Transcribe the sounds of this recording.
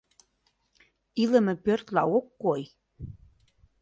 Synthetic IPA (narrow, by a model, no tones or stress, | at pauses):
ilə̆mɘ̆pørt̪lɑokːoj